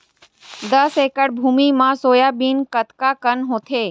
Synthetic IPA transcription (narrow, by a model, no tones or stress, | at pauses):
d̪əseːkəɽbʱuːmimãsoːjabiːnkət̪kakənɦõːt̪ʰeː